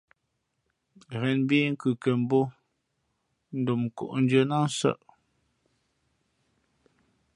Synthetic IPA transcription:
ɣɛ˨nbi˦ŋ̩˦kʉ˨ke˨m˦bo˦ | n̩˦do˨m˨ko̰˨ʔn̩˦d͡ʒə˦na˦n˦sə̰˦˨ʔ

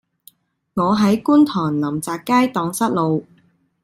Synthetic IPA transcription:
ŋɔː˨˧ɦɐ˨˥jkuː˥nt̪ʰɔː˨˩ŋlɐ˨˩mt͡saː˨kːaː˥jt̪ɔː˨˧ŋsɐ˥t̚lo˨˧w

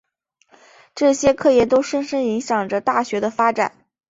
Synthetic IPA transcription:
ʈ͡ʂɤ˥˩ɕjɛ˥kʰɤ˥˧jɛ˥˩t̪o˥ʊʂə˥nʂə˥ni˧˥ŋɕjɑ˨˩ŋʈ͡ʂə˦t̪a˥˩ɕɥɛ˧˥d̪ə˧fa˥ʈ͡ʂa̰˨˩˦n

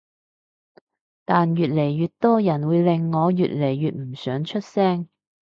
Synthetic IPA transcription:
t̪aː˨njyː˨t̚le˨˩jɥyː˨t̚t̪ɔː˥jɐ˨˩nwuː˨˧jlɪ˨ŋːɔː˨˧jy̰ː˨t̚le˨˩jːyː˨t̚m̩˨˩sœː˨˥ŋt͡ʃʰɵ˥t̚sɛː˥ŋ

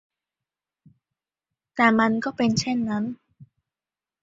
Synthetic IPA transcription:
t̪ɛː˨˩ma˧nkɔː˥˩pe˧nt͡ɕʰe˥˩nːa˦˥n

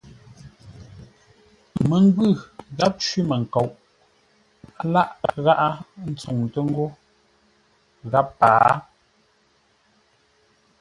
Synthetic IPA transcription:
mə˨ŋ˦ɡwʉ˦˨ɣa˦p̚t͡ʃwi˦mə˨ŋ̩˨ko˨wʔ | a˨˦la˦ʔɣa˦ʔa˦n̩˦t͡su˨ŋtə˦ŋ˦ɡo˦ | ɣa˦pːaː˨

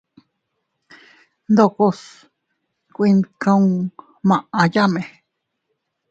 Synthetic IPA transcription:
nd̪o˧˨ko˧s | kʷi˧nkã˦ũ˦ | mã˨ʔã˧ja˦mẽ˨

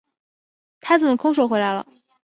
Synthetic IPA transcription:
t̪ʰa˥t͡snə˩kʰʊ˥ŋʂ̬o˧˥ʊxwe˧˥ɪla˧˥ɪlə̰˨

